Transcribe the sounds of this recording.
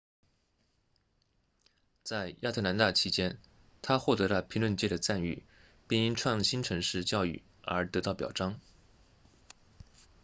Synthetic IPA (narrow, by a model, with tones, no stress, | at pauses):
t͡sa˥˧ɪja˥˧t̪ʰɤ˥˩na˧˥nt̪a˥˩t͡ɕʰi˧˥t͡ɕjɛ˥n | t̪ʰa˥xwɔ˥˩t̪ɤ˧˥lə˧pʰi˧˥ŋlwə˥˧nt͡ɕjɛ˥˩d̪ə˩t͡sa˥˧ny̰˥˩ | pi˥˩ŋi˥ŋʈ͡ʂʰwɑ˥˩ŋɕi˥nʈ͡ʂʰɤ˧˥ŋʂɻ̩˥˧t͡ɕjɑ˥˧ʊy̰˥˩ | ə˞˧˥t̪ɤ˧˥t̪ɑ˥˩ʊpjɑ˨˩ʊʈ͡ʂɑ˥ŋ